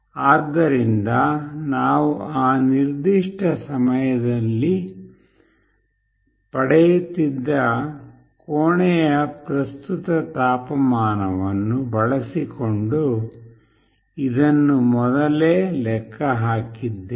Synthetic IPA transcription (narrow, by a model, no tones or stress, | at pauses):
aːd̪ːɐɾind̪ɐnaːʋuaːniɾd̪iʂʈʰɐsɐmɐjɐd̪ɐlːi | pɐɽɛjut̪ːid̪ːɐ | koːɳɛjɐpɾɐst̪ut̪ɐt̪aːpɐmaːnɐʋɐnːubɐɭɐsikoɳɖu | id̪ɐnːumɔd̪ɐleːlɛkʰːɐɦaːkid̪ːe